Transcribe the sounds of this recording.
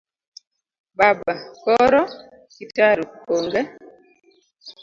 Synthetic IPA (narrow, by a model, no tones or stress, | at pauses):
babakɔɾɔ | kitaɾukoŋɡɛ